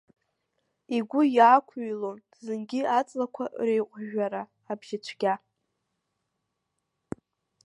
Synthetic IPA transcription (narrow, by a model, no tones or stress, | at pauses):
iɡʷʊjaːkʷʰujlon | zɨnɡʲɪat͡sʼlakʷʰarejqʷʼʒaɾaː | bʒ̥ɪt͡ʃʷʰɡʲa